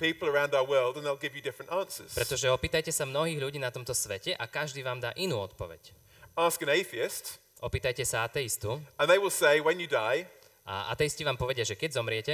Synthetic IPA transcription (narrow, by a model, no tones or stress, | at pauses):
piˑpl̩ˠə˞ãʊ̃ndaʊəwɜːlˠdə̃nðeɪlˠɡɪvjɨdɪfɹə̃ntɑ̃ˑnsə̰˞z̥ppɾɛt̪ɔʒɛɔpiːt̪ajcɛsamnɔɦiːɣʎuɟiːnat̪ɔmt̪ɔsʋɛcɛʔakaʒd̪iːʋaːmd̪aːʔinuːɔt̪pɔʋɛ̰c | ɑˑskɨ̃ñeɪθiɪst | ʔɔpiːt̪ajcɛsaat̪ɛjist̪uə̃nðeɪwɪlˠseɪwə̃njɨdaɪ | ʔa̰a̰t̪ɛjisciʋaːmpɔʋɛɟɪaʒɛkɛɟzɔmɾɪɛcɛ